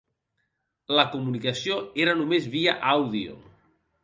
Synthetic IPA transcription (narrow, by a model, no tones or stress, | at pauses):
ləkumunikasioeɾanumezβiaʔawðio̰